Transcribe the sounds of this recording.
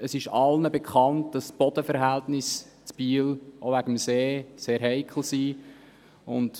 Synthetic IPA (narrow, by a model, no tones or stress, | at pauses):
əsɪʃɑlnəbɛkχɑnt̚d̥ɑsb̥ɔd̥əfəɾɦæltnɪs | t͡sb̥iːlʔovæɡ̥əmseːseːɾɦɛɪkʰl̩ˠsiː | ʊnt